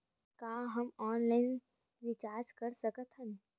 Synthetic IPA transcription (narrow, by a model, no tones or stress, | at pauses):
kaːɦɐmɔːnlaɪn | ʋɪt͡ʃaːɾd͡ʒkəɾsəkət̪ɦən